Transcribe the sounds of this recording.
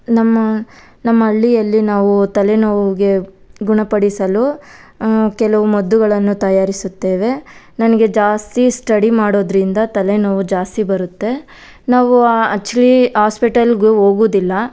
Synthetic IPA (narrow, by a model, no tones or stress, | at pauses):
nɐmːɐ | nɐmːɐːɭːijɐlːinaːʋut̪ɐlenoːʋɡe̞ | ɡuɳɐpɐɽisɐlu | kɛlɐʋumɐd̪ːuɡɐɭɐnːut̪ɐjaːɾisut̪ːe̞ːʋe̞ | nɐnɐɡe̞d͡ʒaːst̪isʈɐɽimaːɽo̞ːd̪ɾind̪ɐt̪ɐlenoːʋud͡ʒaːst̪ibɐɾut̪ːe̞ | naːʋuaɐk̚t͡ʃuliɦaːspiʈɐlɡuɦo̞ːɡuːd̪ilːɐ